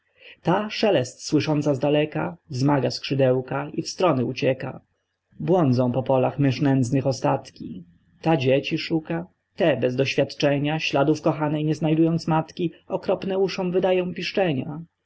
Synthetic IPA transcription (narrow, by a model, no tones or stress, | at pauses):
t̪aʂɛlɛst̪swɘʂɔnt̪sazd̪alɛka̰vzmaɡaskʂɘd̪ɛwkaifst̪ɾɔnɘut͡ɕɛka̰ | bwɔnd̪zɔ̃w̃pɔpɔlaxmɘʂnɛnd̪znɘxɔst̪at̪kʲi | t̪ad͡ʑɛt͡ɕiʂuka | t̪ɛbɛzd̪ɔɕfʲjat̪t͡ʂɛɲaɕlad̪ufkɔxanɛjɲɛznajd̪ujɔnt̪smat̪kʲiɔkɾɔpnɛuʂɔ̃w̃vɘd̪ajɔ̃w̃pʲiʂt͡ʂɛɲa